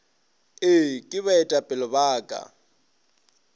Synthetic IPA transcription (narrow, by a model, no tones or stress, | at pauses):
ɪkʼɪβaɛtʼapʼɪlɔbaːkʼa̰